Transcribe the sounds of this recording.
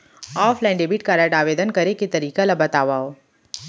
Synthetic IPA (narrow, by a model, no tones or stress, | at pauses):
ɔːflaːɪɳɖebiʈ̚kaɾaɖaːʋeːd̪ənkɐɾeket̪ɐɾiːkalabɐt̪aːʋaːoː